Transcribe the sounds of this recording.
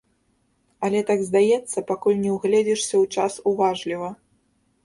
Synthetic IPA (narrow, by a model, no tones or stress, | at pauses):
ɐlʲɛt̪aɡzd̪ajɛt̪sːɐpakulʲnʲɛwɣlʲɛd͡zʲɛʂsʲɐwt͡ʂasuvaʐlʲivɐ